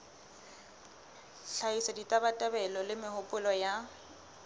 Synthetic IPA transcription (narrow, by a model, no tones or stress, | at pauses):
ɬʰaisaditʼabatʼabɛlɔlɪmɪhʊpʼʊlɔja